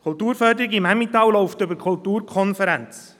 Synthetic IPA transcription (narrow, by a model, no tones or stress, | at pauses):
kʰʊltuːɾfœɾdəɾɪɡimhæmit̪ɑwlɔʊft̪ʏbəɾkʰultuːɾkʰɔnfəɾɛnt͡s